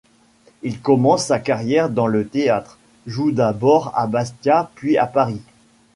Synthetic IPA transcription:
ilkɔmɑ̃sːakaʁjɛʁd̪ɑ̃lət̪eat̪χ | ʒud̪abɔʁa̰bast̪japɥia̰paʁi

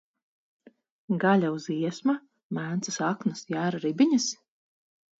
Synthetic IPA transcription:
ɡalʲauziɛsma | mæːnt̪sɨsaknɨsjæːɾaɾibʲiɲas

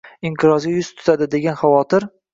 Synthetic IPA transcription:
ɪmt̪ʰɨɾɒzɡʲajʊz̥t̪ʰʊ̥t̪ʰad̪ɪd̪e̞ɡʲanχavɒt̪ɪɾ

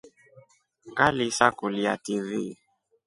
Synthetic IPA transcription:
kalisakuliativi

